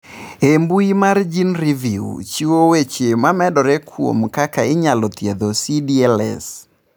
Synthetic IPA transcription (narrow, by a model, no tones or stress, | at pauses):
embuimard͡ʒinɾiviṵt͡ʃiwowet͡ʃemamɛdɔɾɛkʰwo̰mkakaɪɲalɔt̪jed̪osidiɛlɛ̰s